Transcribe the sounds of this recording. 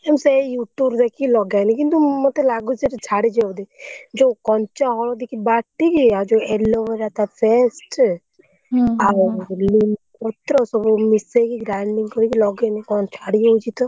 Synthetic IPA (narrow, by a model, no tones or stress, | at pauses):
emsejuʈuɾd̪ekilɔɡanikint̪umɔt̪elaɡut͡ʃeʈt͡ʃʰaɽid͡ʒɔwd̪ed͡ʒokɔnt͡ʃaɦɔɭɔd̪ikibaʈːikiad͡ʒoeloʋeɾat̪afʰesʈ | alinkɔt̪ɾɔsɔbumisekiɡɾaɳɖiŋɡkɔɾikilɔɡenikɔnt͡ʃʰaɽiot͡ʃʰit̪ɔ